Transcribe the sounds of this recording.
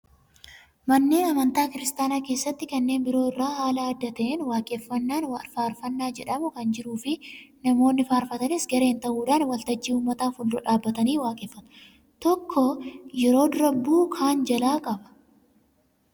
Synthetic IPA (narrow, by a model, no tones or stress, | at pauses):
mɐnːe̞ːnɐmɐnt̪aːkɪɾɪst̪aːnaːke̞ːsːɐt̪ːɪkɐnːe̞ːnbɪɾo̞ːɪrːaːhaːlɐɐd̪ːɐt̪ɛːnwaːkʼeːfːɐnːaːnafaːɾfɐnːaːd͡ʒɛᶑɐmʊkɐnd͡ʒɪɾuːfɪnɐmo̞ːnːɪfaːɾfɐt̪ɐnɪsɡɐɾe̞ːnt̪ɐʔuːᶑaːnwɐlt̪ɐd͡ʒːiːuːmːɐt̪aːfʊlːɔᶑaːbːɐt̪ɐniːwaːkʼeːfːɐt̪ː | t̪ɔkʰːɔjɛɾo̞ːd̪ɾɐbːuːkʰaːnd͡ʒɐlaːkʼɐbɐ̥